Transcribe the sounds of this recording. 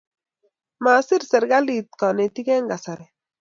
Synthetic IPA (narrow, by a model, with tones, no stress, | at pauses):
ma˨sɪ˦ɾsɛ˨ɾɡa˦li˨t̪̚kɔ˨nɛ˨ti˦kɛ˦ŋɡa˨sa˨ɾɛ˨